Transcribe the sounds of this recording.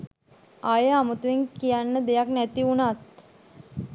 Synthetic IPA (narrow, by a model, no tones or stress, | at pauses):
ajəamət̪uʋeŋkijanːəd̪ejaknæt̪iunat̪̚